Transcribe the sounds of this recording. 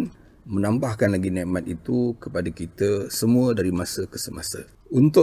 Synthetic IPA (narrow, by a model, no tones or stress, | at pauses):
n | mə̃nãmbahkanlaɡinɛʔmat̪̚it̪ukəpadakit̪əsəmũədaɾimasəkəsəmasə̰ | unt̪ʊ